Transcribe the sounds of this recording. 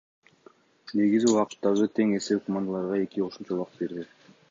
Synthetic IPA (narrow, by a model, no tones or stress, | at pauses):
ne̞ɡiziuʁɑqɯ̥t̪ːɑʁɯt̪ʰe̞ŋe̞sewkʰomand̪alˠɑɾʁɑe̞kioʃumt͡ʃɑulˠɑqbe̞ɾd̪ɪ